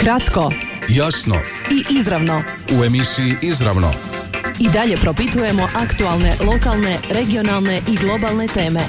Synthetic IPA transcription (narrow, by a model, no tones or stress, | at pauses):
kɾat̪ko̞jasno̰ | iʔizɾaʋno̞ | uemisiiʔizɾa̰ʋno̰ | id̪aʎe̞pɾo̞pit̪uje̞mo̞ʔakt̪ualˠne̞lˠo̞kalˠne̞ɾeɡio̞nalˠne̞ʔiɡlˠo̞balne̞t̪e̞ːme̞